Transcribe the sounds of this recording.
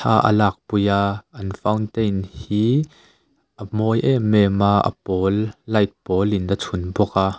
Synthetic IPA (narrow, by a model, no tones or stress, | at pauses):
t̪ʰa̰ːʔə̰laːk̚pujaːʔɐnfɐwnt̪ejnhiː | ʔəmɔjʔɛmɛːmaːʔə̰pɔːlːɐjt̪̚pɔːlɪnət͡sʰunbɔkaː